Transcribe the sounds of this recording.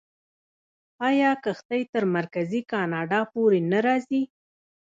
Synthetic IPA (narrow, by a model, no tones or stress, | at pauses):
ɑjɑkəxt̪ajt̪əɾmaɾkazikɑnɑɖɑpoɾenaɾɑzi